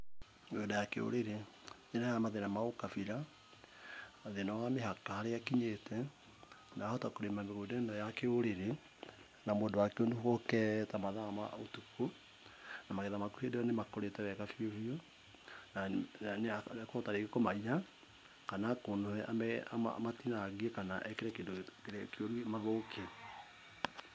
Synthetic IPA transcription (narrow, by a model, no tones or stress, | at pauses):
meɣodajakḛo̰ɾeɾeɲenajamaðenamaokafiɾa | ðenɔameɦakahaɾeakiɲetʰɛ | naːhɔtakoɾemameɣodandɔjakeoɾeɾe | namwoeːdowakeonduhokɛtamaðama̰otuko | namaɣɛðamakuhedeɔnemakoɾetɛwɛkafiofio | naanakoɔtaɾekekomaia | kanakonoɛʔamɛa̰matinaɡiekanaʔɛkeɾɛkeːndokeɾɛkeoɾwemaðoːkʰe